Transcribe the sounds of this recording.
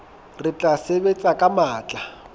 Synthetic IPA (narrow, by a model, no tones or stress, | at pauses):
rɪt͡ɬʼasebet͡sʼakʼamaːt͡ɬʼa